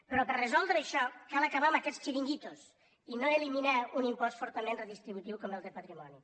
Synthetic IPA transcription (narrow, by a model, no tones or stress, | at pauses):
pəɾɔpərezɔlˠd̪ɾəːʃɔkalˠɐkaβaməkɛst͡ʃiɾiŋɡit̪os | inoeliminaunimpɔsfɔɾt̪əmenreðist̪ɾiβut̪iwkɔmelˠd̪əpət̪ɾimɔni